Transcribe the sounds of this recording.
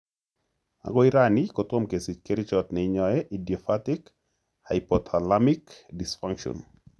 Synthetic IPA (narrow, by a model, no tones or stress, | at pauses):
a̰ɡɔiɾanikɔt̪omkesit͡ʃkeɾɪt͡ʃɔt̪nɛɲɔjɛʔidjɔfatɪk | ha̰jpɔt̪ʰalamikdisfaŋkʃɔ̰n